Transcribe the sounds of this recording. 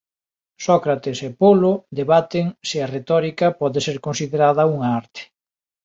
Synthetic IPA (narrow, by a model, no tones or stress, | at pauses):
sɔkɾat̪esepolod̪eβat̪ɪŋsɪɐret̪ɔɾikɐpɔðeseɾkonsiðeɾaðɐuŋɐaɾt̪ɪ̥